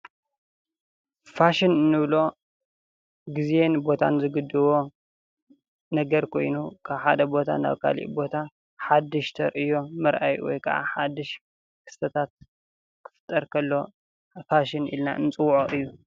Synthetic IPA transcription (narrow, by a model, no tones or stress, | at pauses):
faʃɪnɨnːɨβlo̞ | ɡizenbo̞t̪ʰa̰nzɨɡɨd̪ːɨβo̞ | nɐɡɐɾkʰo̞̰jnukʰaβħad̪ɐbo̞t̪ʰa̰na̰βkʰa̰lḭʔbo̞t̪ʰa | ħad̪ːɨʃt̪ʰɐɾʔɨjo̞mɨɾʔa̰jwɔ̰jkʰɐʔa̰ħad̪ɨʃ | kʰɨ̥st̪ʰɐt̪ʰat̪̚ | kʰɨ̥fɨ̥t̪ʼːɐɾkʰɐlːo̞ | faʃɪnḭlna̰ʔɨ̰nɨt͡sʼɨwʕoɨjːu